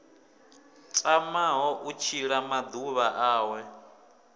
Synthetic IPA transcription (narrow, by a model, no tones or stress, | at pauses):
t͡sʼamaɦɔʔut͡ʃʰiɺamad̪uβaʔaːwɛ